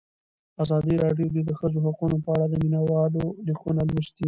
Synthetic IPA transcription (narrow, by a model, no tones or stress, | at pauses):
azɑd̪iɾɑɖjod̪ed̪əxəzoɦaqunopəaɽad̪əminawɑlolixunalwɪʃt̪i